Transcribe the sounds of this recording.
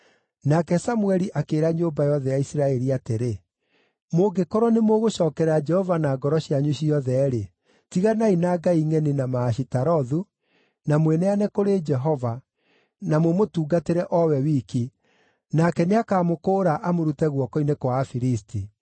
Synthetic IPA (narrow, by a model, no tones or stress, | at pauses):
nakɛsamuɛɾiʔakeːɾaɲoːmbajɔðɛjaisiɾaɛɾiateɾe | moɡekɔɾɔnemoɣoʃɔːkɛɾad͡ʒɛhɔvanaɡɔɾɔɕiaɲuɕiɔðɛɾe | tiɣanainaɡaiŋɛninamaːɕitaɾɔðu | namwenɛanɛkoɾeːd͡ʒɛɦɔva | namwemotuːɡateɾɛʔɔwɛwiːki | nakɛneakaːmokoːɾaʔamoɾutɛɣwɔkɔinekwafiɾisti